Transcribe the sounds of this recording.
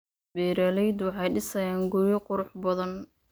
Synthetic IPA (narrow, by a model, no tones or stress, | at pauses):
bɛːɾɐlɛjd̪wɑħɑjɖɪsɐjaːŋɡʊjɐqʊɾʊħbɐðɐn